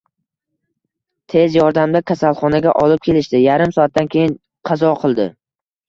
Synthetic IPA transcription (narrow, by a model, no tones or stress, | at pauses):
t̪ʰe̞zjɒɾd̪amd̪akʲʰasalˠχɒnaɡʲaʔɒlɪp̚kʲʰe̞lɪʃt̪ɪjaɾɪmsɒat̪̚ːankʲʰe̞jɪn | qʰɑzɒqʰɨlˠd̪ɪ̰